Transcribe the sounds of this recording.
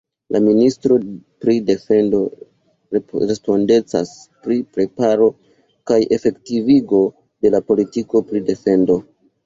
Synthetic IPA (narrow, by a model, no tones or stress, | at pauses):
lʔaministɾo̞pɾide̞fe̞ndo̞ | ɾe̞spo̞nde̞t͡sa̰spɾipɾe̞paɾo̞ | kajʔe̞fe̞ktiviɡo̞ | de̞lapo̞litiko̞pɾide̞fe̞ndo̞